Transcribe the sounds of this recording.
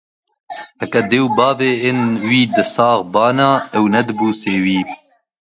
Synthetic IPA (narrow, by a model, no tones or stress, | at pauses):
hɛkɐd̪ewbɑːveːenwiːd̪ɨsɑːɣbɑːnaːɛwnɛd̪ɨbuːseːwiː